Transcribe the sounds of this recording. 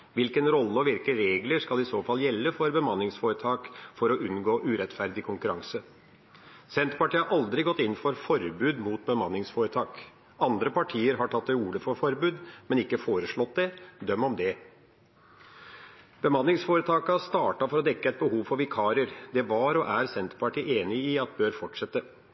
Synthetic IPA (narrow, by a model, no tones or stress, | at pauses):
ʋɪlkənɾɔlːəɔʋɪlkəɾeːɡləʂkɑlɪsoːfɑlːjɛlːəfɔɾbəmɑnːɪŋsfoːɾət̪ʰɑːkfɔɾɔʔʉnɡoːʔʉːɾɛt̪fæɾd̪ɪkʰʊŋkʉɾɑŋsə | sɛnt̪pɑʈiːhɑɾʔɑld̪ɾɪɡɔt̪ːɪnːfɔɾfɔɾbʉːd̪muːt̪̚bəmɑnːɪŋsfoːɾət̪ʰɑːk | ɑnd̪ɾəpɑʈʰiːəɾɦɑʈʰɑt̪̚ːd̪ɛuːɭəfɔɾfɔɾbʉːd̪mɛnɪkːəfoːɾəʂɭɔt̪̚d̪ɛd̪œmːɔmd̪ɛ | b̥əmɑnːɪŋsfoːɾət̪ʰɑːkəɑst̪ɑːʈɑfɔɾɔd̪ɛkːəɛt̪̚bəɦuːʋfɔɾʋɪkʰɑːɾəɾd̪ɛʋɑɾɔʔæɾsɛnt̪pʰɑʈiːʔeːnɪiɑt̪̚bøːɾfɔʈʂɛt̪ːə